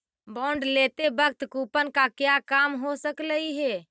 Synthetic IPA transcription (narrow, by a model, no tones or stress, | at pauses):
bɔɳɖlet̪ebək̚t̪kupənkakjakamɦosəkləiɦe